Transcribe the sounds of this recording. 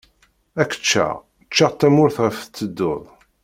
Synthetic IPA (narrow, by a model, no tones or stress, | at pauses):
ækə̥t͡ʃːa̰ʁ | t͡ʃːaʁt̪ːæmʊɾθʁəft͡s̪ːəd̪ːʊðˤ